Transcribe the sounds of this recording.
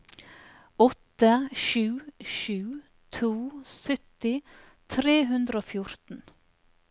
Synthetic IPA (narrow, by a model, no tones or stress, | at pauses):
ɔt̪əʃʉːʃʉː | t̪ʰuːsœt̪ɪ | t̪ʰɾeːɦʉnd̪ɾəoːfjʊɾt̪n̩